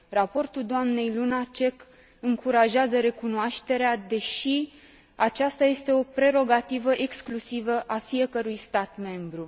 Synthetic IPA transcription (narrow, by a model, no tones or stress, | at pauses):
rapo̞rt̪uld̪oamne̞jlunat͡ʃe̞k | ɨŋkuɾaʒeazəɾe̞kunoaʃt̪e̞ɾead̪e̞ʃi | at͡ʃast̪aje̞st̪e̞o̞pɾe̞ɾo̞ɡat̪ivəʔe̞ksklusivəʔafije̞kəɾujst̪at̪me̞mbɾu